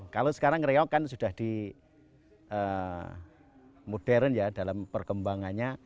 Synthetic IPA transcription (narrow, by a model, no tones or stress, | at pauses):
kalosə̥kaɾaŋɾeɔkansud̥ahd̥i | ʔə | mud̥ɛɾənjadalampərkəmbaŋanɲa